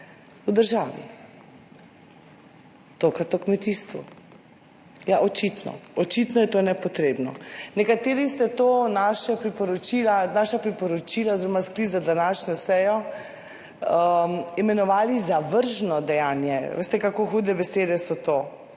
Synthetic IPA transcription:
ud̪əɾʒaːʋḭ | t̪okɾat̪ɔkmɛt̪iːst̪ʋṵ | jaʔɔt͡ʃit̪nɔ̰ɔt͡ʃit̪nɔjɛt̪onɛpɔt̪ɾeːbnɔ̰nɛkat̪eːɾist̪ɛt̪oːnaːʃɛpɾipɔɾɔt͡ʃilanaːʃapɾipɔɾɔt͡ʃilazeɾɔmasklizad̪anaːʃnɔsɛːjɔ | imɛnɔʋaːlizaʋəɾʒnɔd̪ɛjaːnjɛ̰ʋḛːst̪ɛkakoxuːd̪ɛbɛseːd̪ɛsɔt̪oː

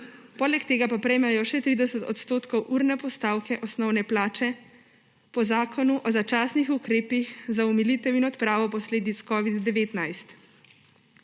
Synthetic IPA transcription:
pɔːlɛkt̪eːɡapapɾɛjmajɔʃɛt̪ɾid̪ɛsət̪ɔt̪st̪oːt̪kɔwʔuɾnɛpɔst̪aːwkʰɛʔɔsnɔwnɛplaːt͡ʃɛ | pɔzaːkʰɔnuʔɔzat͡ʃaːsnixukɾeːpixzaumilit̪ɛwinɔt̪pɾaːʋɔpɔsleːd̪it̪skɔːʋid̪ːɛʋeːt̪najst̪

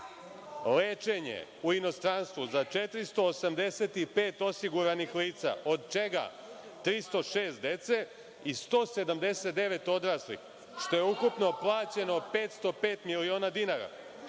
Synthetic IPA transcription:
leːt͡ʃe̞ɲḛuino̞st̪ɾanst̪ʋuzat͡ʃe̞t̪ɾist̪o̞ːsamd̪e̞se̞t̪ipe̞ːt̪o̞siɡuɾanixliːt̪sa̰ʔo̞d̪̚t͡ʃe̞ɡa̰ | t̪ɾist̪o̞ʃeːst̪̚d̪e̞t̪se̞ | ist̪o̞ːse̞d̪amd̪e̞set̪̚d̪e̞ʋe̞t̪o̞d̪ɾaːslḭx | ʃt̪o̞je̞ukupno̞plˠaːt͡ɕe̞no̞peːt̪st̪o̞peːt̪milio̞ːnad̪inaɾa̰

